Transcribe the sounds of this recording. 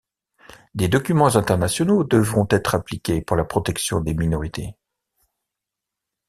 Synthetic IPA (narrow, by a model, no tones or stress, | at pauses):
d̪ed̪ɔkʲymɑ̃zɛ̃t̪ɛʁnasjɔnod̪əvʁɔ̃t̪ɛt̪χaplikʲepuʁlapχɔt̪ɛksjɔ̃d̪eminɔʁit̪e